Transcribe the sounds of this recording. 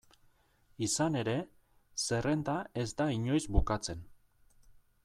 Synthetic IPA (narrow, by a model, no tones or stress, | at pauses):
isane̞ɾe̞ | se̞re̞nd̪ae̞zd̪aiɲo̞jzbukat͡se̞n